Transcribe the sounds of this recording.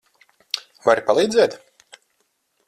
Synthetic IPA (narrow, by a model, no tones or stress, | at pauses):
vaɾpalˠiːd̪zɛːt̪